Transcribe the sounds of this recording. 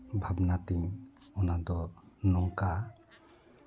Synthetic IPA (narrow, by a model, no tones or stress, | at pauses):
bʱabnat̪iɲɔnad̪ɔnɔŋka